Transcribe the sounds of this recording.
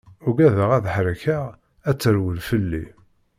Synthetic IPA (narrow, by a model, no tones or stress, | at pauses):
ʊɡæðəʁæðħɾəçaʁ | æt͡sːəɾwəlfəlːi